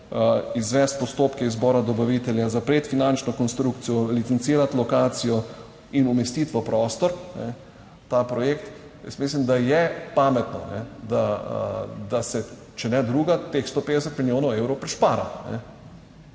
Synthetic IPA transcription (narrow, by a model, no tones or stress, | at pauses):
izʋɛst̪̚pɔst̪oːpkɛizbɔɾad̪ɔbaʋit̪ɛljazapɾet̪finant͡ʃnɔkɔnst̪ɾuk̚t̪sijɔlit̪sɛnt̪siːɾat̪lɔkaːt̪sijɔ | inumɛst̪iːt̪ʋɔpɾɔːst̪ɔɾnɛ | t̪apɾɔjekt̪ | jɛ̰smis̬limd̪ajɛpaːmɛt̪nɔ̰nɛ̰d̪a | d̪asɛ | t͡ʃɛnɛd̪ɾuːɡat̪exst̪oːpeːd̪ɛsət̪miljoːnɐʊewɾɔwpɾɛʃpaːɾanɛ̰